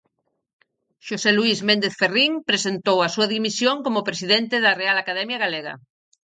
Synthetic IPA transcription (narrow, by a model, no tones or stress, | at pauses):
ʃoseluizmẽnd̪eθferiŋpɾesent̪owasuaðimisjõŋkomopɾesiðent̪eðarealakaðɛmjaɣaleɣ̞a̰